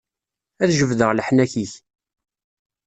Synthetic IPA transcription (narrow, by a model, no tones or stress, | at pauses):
æðʒəvðəʁləħnæçiç